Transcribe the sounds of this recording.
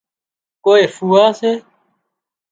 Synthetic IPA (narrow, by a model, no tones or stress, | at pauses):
koːeːfuːaːseː